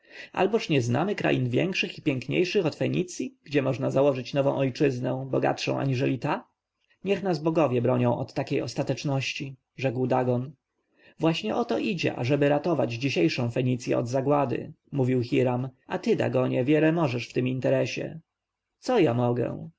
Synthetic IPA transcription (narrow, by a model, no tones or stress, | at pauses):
ʔa̰lbɔʂɲɛzna̰mɘkɾa̰jinvʲjɛ̰ŋkʂɘxipʲjɛŋkɲḛjʂɘxɔt̪fɛɲit̪sʲjiɡ̥d͡ʑɛmɔʐnazawɔʐɘt͡ɕnɔvɔ̃w̃ʔɔjt͡ʂɘznɛ̃bɔɡa̰t̪ʂɔ̰̃w̃ʔa̰ɲiʐɛlʲit̪a | ɲɛxnazbɔɡɔvʲjɛbɾɔɲɔ̃w̃ʔɔt̪ːakʲejɔst̪at̪ɛt͡ʂnɔɕt͡ɕi | ʐɛkwd̪aɡɔn | vwaɕɲɛʔɔt̪ɔʔid͡ʑɛ̰ʔa̰ʐɛbɘɾat̪ɔvad͡ʑd͡ʑiɕejʂɔ̃w̃fɛɲit̪sjɛ̰ɔ̰d̪zaɡwad̪ɘ̰ | muvʲiwxʲiɾamʔat̪ɘd̪a̰ɡɔɲɛvʲjɛlɛmɔʐɛʂft̪ɘmint̪ɛɾɛɕɛ̰ | t̪sɔjamɔɡɛ̰